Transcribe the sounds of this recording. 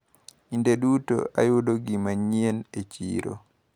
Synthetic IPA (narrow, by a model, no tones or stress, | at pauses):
indeɗuto̰a̰jodoɡimaɲienet͡ʃḭɾo̰